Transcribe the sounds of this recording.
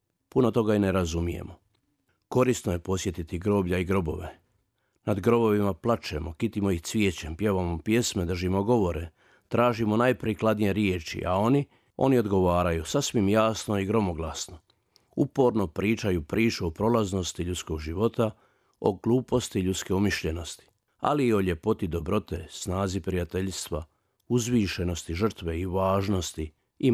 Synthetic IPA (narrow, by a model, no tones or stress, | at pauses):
punot̪o̞ɡaine̞ɾazumijḛmo̞ | ko̞ɾist̪noje̞po̞sje̞t̪it̪iɡɾo̞ːbʎaiɡɾo̞bo̞̰ʋḛ | nad̪ɡɾo̞bo̞ʋimaplˠat͡ʃemo̞kit̪imoixt̪sʋjeːt͡ɕempjeʋamopje̞sme̞d̪r̩ʒimoɡo̞ʋo̞ɾe | t̪ɾaːʒimo̞najpɾiklˠad̪nije̞ɾjeːt͡ʃḭʔa̰o̞ni | o̞̰nio̞d̪ɡo̞ʋaːɾajusasʋimjaːsno̞iɡɾo̞moɡlˠasno | upo̞ɾno̞pɾʔiːt͡ʃajupɾʔiːt͡ʃuopɾo̞lˠazno̞st̪iʎut̪sko̞ɡʒiʋo̞t̪a | o̞̰ɡlˠuːpo̞st̪iʎut̪ske̞umiʃʎe̞no̞st̪i̥ | a̰liːo̞ʎe̞po̞t̪id̪o̞bɾo̞t̪esnaːzipɾijat̪e̞ʎst̪ʋa | uzʋiːʃe̞no̞st̪iʒər̩t̪ʋeiʋaːʒno̞st̪i | i